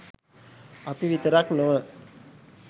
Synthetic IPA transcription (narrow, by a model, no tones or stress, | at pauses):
ɐpiʋit̪əɾaːknoə